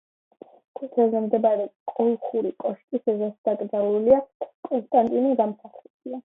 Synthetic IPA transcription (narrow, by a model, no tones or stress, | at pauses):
t̪ʰut̪ʰɛlˠzɛmd̪ɛbaɾɛkʼɔlˠχuɾikʼɔʃkʼisɛzasd̪̥aɡʼɾd̪alˠuliakʼɔnst̪ʼant̪ʼiniɡamsaχʰɛbia